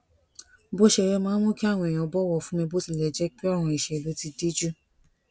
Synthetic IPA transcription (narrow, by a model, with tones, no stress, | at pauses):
bo˦ʃɛ˧˨ɾɛ˧mãː˨˦mõ˦ki˦a˦˨w̃ɔ̃˧e˨j̃ã˧bɔ˦wɔ˧˨fũ˦mĩ˧bo˦ti˧˨lɛ˨d͡ʒɛ˦k͡pi˦a˦˨w̃ɔ̃˧i˨ʃɛ˧˨lo˨˦ti˧di˦d͡ʒu˦